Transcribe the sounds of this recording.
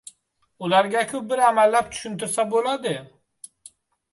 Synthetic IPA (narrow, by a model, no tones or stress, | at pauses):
ulˠɑɾɡakʰup̚biɾæmælːæpt͡ʃ̪ʰy̥ʃynt̪ʰyɾsabolˠɑd̪ɨ